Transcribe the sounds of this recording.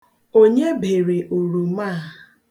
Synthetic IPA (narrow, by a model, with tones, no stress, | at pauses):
o˦ɲe˦bʱe˨ɾe˨ʔu˨ɾu˨ma˦˨